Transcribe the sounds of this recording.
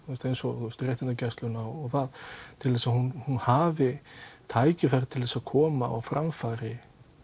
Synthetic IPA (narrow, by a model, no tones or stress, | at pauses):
θuɛst̪ejnsɔθuɛst̪ɾrjeht̪ɪnacɛst̪lʏnaɔɔɣθaðt̪ʰɪlvɛsahunhunhaːvɪt̪ʰaːjcɪfajɾɪt̪ʰɪlvɛsaðkʰɔːma̰ɔ̰wfɾʔamfaːɾɪ